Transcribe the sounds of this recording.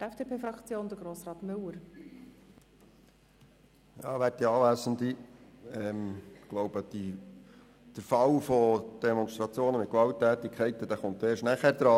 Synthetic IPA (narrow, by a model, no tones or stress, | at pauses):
tɛfd̥epeːfɾɑkt͡sjoːnd̥̪əɡroːsrɑːt̪mʏləɾ | jɑːʋæɾtiɑːʋæsənd̪i | ɛmɡ̥lowb̥əd̥i | d̥əɾfɑlfod̪̥ɛmɔnst̪ɾɑt͡sjoːnəmɪt̪̚kʋɑlt̪ːæːtikʰɛɪt̪əd̥̪æːχʊnt̪eːʃnæχæːɾd̪ɾɑː